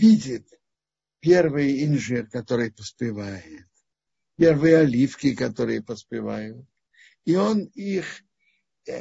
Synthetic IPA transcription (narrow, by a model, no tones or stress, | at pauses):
vʲidʲɪt̪ | pʲervɨjɪnʲʐɨrkɐt̪oɾɨjpəspʲɪvajɪt̪̚ | pʲervɨjəɐlʲifkʲɪkɐt̪o̞ɾɨjəpəspʲɪva̰jʊt̪̚ | ionix